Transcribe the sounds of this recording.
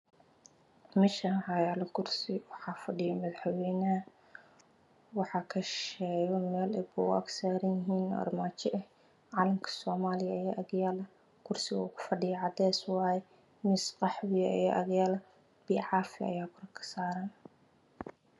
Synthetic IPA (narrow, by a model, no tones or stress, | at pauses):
mɪʃɐʕɑjaːlɐkʰʊrsɪwɑħɑːfɐɖɪjɐmɐðaħwɛjnɐɐ | wɑħɑːkʰɐʃɛːjɔmɛːlɛbʊ̰ɐ̰ɡsaːɾɐjɪɦiːnɔ̰rmaːt͡ʃɪʔɐh | ʕɑːlɐmkʰɐ̥sɔːmaːlɪjɐɛʔɐɣjaːlɐ | kʰʊrsɪɣɐʊkʰʊ̥fɐɖɪjɐʕɑd̪ɛːswɑːjɛ | mɪsqɑħwɪjɐijɛʔɐɣjaːlɐ | b̥iːʕɑːfɪɐ̰jaːkʰʊɾɐkʰɐ̥saːɾɐn